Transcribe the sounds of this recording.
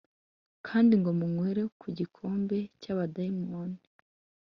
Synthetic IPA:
kʰaːndiŋɡo̞muŋweɾe̞kʰuɟikʰo̞ːmbe̞caβadaimoni

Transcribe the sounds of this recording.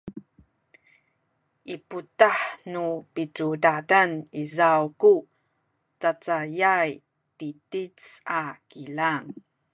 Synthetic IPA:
ʔiputaħnupit͡sudadanizawku | t͡sat͡sajaj | titit͡sakilaŋ

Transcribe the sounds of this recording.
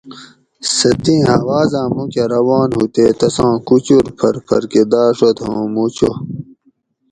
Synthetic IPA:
sɐt̪ĩːɦawaːzãːmũkeɾɐwaːnhut̪eːt̪ɐsãːkut͡ɕuɾpʰɐɾpʰɐ̰ɾked̪aːʂot̪hõ̰ːmut͡ɕo

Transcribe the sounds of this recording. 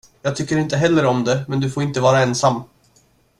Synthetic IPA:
jɑːɡt̪ʰʏkːəɾɪnt̪əɦɛlːəɾɔmd̪ɛmɛnd̪ɵfoːɾɪnt̪əvɑːɾaɛnsamː

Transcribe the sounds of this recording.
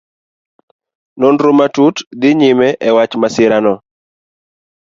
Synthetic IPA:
nonɾomatutd̪ɪɲɪmɛʔɛwat͡ʃmasɪɾanɔ

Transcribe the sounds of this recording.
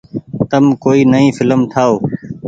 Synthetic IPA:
t̪əmkoːiːnəĩːfɪləmt̪ʰaːoː

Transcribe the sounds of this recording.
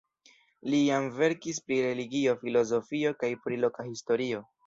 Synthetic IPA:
lijamve̞ɾkis̬pɾiɾe̞liɡio̞filo̞zo̞fio̞kajpɾilo̞kahisto̞ɾio̞

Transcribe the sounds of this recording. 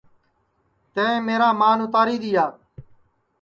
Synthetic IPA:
t̪ẽːẽːmeːɾaːmaːnʊt̪aːɾiːd̪iːjaː

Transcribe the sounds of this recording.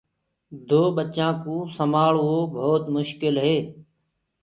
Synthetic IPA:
d̪ʱoːɓət͡ʃãːkũːsəmaːɭɦoːbʱoːt̪mʊʃkɪlɦeː

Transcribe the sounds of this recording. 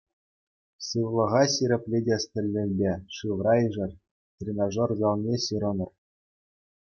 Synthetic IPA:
sɯʋlˠɤ̆ʁɑɕiɾʲɘ̆pʲlʲedʲesʲt̪ʲɘ̆lʲːɘ̆lʲbʲeʂɯʋrɑiʐɘ̆rʲ | t̪ʲrʲenoʐorzɑlˠnʲeɕɯɾɤ̆nɤ̆r

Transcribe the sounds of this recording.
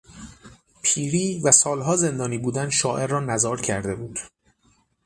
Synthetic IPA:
pʰiːɾiːvæsɒːlɦɒːze̞nd̪ɒːniːbuːd̪ænʃɒːʔe̞ɾːɒːnæzɒːɾcʰæɾd̪e̞buːd̪̥

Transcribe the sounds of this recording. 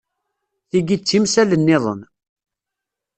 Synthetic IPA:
θiɡit͡sːimsælənːɪðˤə̰n

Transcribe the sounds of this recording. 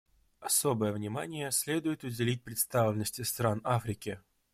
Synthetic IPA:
ɐso̞bəjəvnʲɪmanʲɪjəsʲlʲed̪ʊjɪt̪ʊdʲɪlʲit̚ʲpɾʲɪt̪st̪avlʲɪnːəsʲtʲɪst̪ɾanafɾʲɪkʲɪ

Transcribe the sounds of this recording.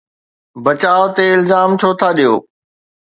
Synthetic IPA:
bət͡ɕaːot̪eɪlzaːmt͡ɕʰoːt̪ʰaɗijo̰ː

